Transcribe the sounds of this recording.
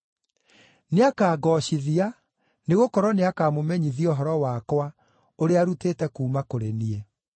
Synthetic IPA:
neakaːɡɔɕiðia | neɣokɔɾɔneakaːmomɛɲiðiɔɦɔɾɔwakwa | oɾeaɾuteːtɛkuːmakoɾeniɛ

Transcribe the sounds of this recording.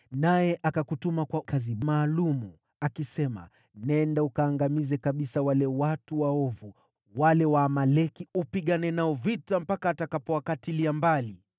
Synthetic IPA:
najɛʔakakutumakwakazimaːlumu | akisɛma̰ | nɛndaukaːŋɡamizɛkaɓisawalɛwatuwaɔvu | walɛwaːmalɛkiupiɠanɛnaɔvitam̩pakaːtakapɔwakatiliambali

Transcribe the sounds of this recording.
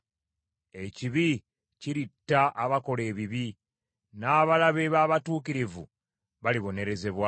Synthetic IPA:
e̞ciβi | ciɾitːaʔːβako̞le̞ːβiβi | naːβalaβe̞βaːβatuːkiɾivṵ | βaliβo̞ne̞ɾe̞ze̞βwa

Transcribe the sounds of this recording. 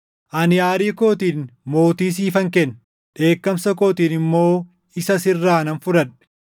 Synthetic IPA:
ʔɐnɪjaːɾiːko̞ːt̪iːnmo̞ːt̪iːs̬iːfɐŋkɛn | ᶑe̞ːkːɐmsɐko̞ːt̪iːnɪmːo̞ː | ɪsɐsɪrːaːnɐnfʊɾɐn

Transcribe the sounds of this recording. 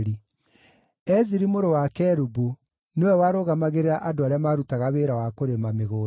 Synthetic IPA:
ɾi | ɛziɾimoɾowakɛɾubu | newɛwaːɾoɣamaɣeɾeɾaʔadoaɾeamaːɾutaɣaβeːɾawakoɾemameɣoː

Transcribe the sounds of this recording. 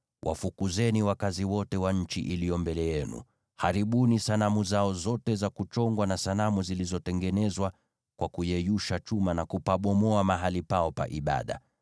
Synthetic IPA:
wʔa̰fukuzɛniwakaziwɔtɛwaɲ̩t͡ʃiʔilijɔmbɛlɛjɛnṵ | haɾiɓunisanamuzaɔzɔtɛzakut͡ʃɔŋɡwanasalamuzilizɔtɛŋɡɛnɛzwa | kwakujɛjuʃat͡ʃumanakupaɓɔmɔamaɦalipaɔpa̰ʔiɓa̰ɗa̰

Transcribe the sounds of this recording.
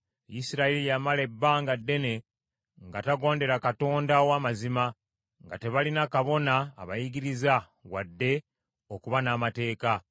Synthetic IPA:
jisiɾaelijamale̞bːaːŋɡadːe̞ne̞ | ŋɡataɡo̞ːnde̞ɾakato̞ːndawamazima | ŋɡa̰te̞βalinakaβo̞na̰ːβa̰jiɡiɾiza | ɣwadːe̞ | okuβanaːmate̞ːka

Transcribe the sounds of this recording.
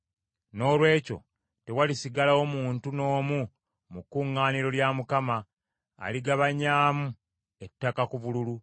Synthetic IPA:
no̞ːlwe̞ːco̞̰ | te̞walisiɡalaomuːntuno̞ːmu | mukːuŋːaːniɾo̞ljamukama̰ː | liɡaβaɲaːmu | etːakakuβululu

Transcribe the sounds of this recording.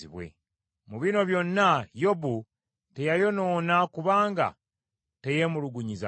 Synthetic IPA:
iβwe̞̰ | muβino̞βjo̞nːajo̞bu | te̞jajo̞no̞ːnakuβaːŋɡa̰ | te̞je̞muluɡuɲiza̰

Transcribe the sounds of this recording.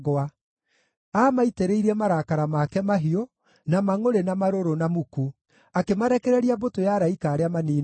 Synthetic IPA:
ɣɔa | aːmaiteɾeiɾɛmaɾakaɾamakɛmaɦio | namaŋoɾenamaɾoɾonamuku | akemaɾɛkɛɾɛɾiabotojaɾaikaːɾeamaniː

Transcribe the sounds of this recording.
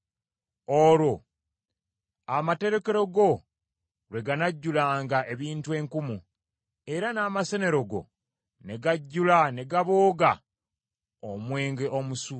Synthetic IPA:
oɾo̞ | amate̞ɾe̞ke̞ɾo̞ɡo̞ | ɾwe̞ɡanaɟːulaːŋɡaʔe̞βiːntue̞ːŋkumu | e̞ɾanaːmase̞ne̞ɾo̞ɡo̞̰ | ne̞ɡaɟːulane̞ɡaβoːɡa | omwe̞ːŋɡe̞ʔo̞musu

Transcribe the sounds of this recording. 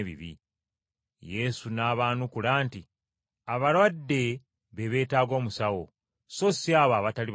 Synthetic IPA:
βḭβḭ | je̞sunaːβaːnukulaːnti | aβalwadːe̞ | βe̞βe̞ːtaːɡo̞ːmusawo̞ | so̞siaːβaːβatali

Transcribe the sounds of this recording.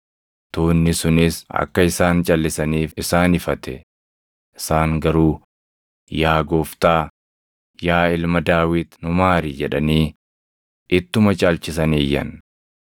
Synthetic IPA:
t̪oːnːɪsʊnɪsɐ̰kːɐɪsaːnt͡ʃʼɐlːɪsɐniːfɪsaːnɪfɐt̪ɛ | ʔɪsaːŋɡɐɾuː | jaːɡoːft̪aː | jaːɪlmɐd̪aːwɪt̪nʊmaːɾid͡ʒɛᶑɐniː | ʔɪt̪ːʊmɐt͡ʃʼaːlt͡ʃɪsɐniːjːɐ̰n

